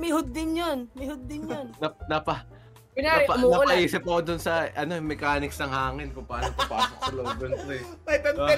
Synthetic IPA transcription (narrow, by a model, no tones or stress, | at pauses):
mɪhʊd̪̚ːɪnjonmɪhʊd̪̚ːɪnjonnɐnɐpɐ | ɪnapɐnɐɐʔiːsɪp̚ːɐkod̪ʊnsɐɐno̞mɛkaːnɪksnɐŋhaːŋɪnpʊpaːnopɐpaːsok̚sɐlowd̪ont̪ɐjpɐɛ